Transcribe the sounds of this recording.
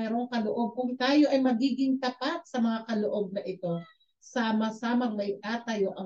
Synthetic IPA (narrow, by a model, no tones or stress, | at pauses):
ɛːɾo̞ŋkɐloʔo̞b̚kʊŋt̪aːjo̞ʔɐjmɐɡiːɡɪŋt̪ɐpat̪̚sɐmɐŋakɐloʔo̞b̚nɐʔɪt̪o̞ | saːmɐsaːmɐŋlɐjt̪aːt̪ɐjo̞ʔɐ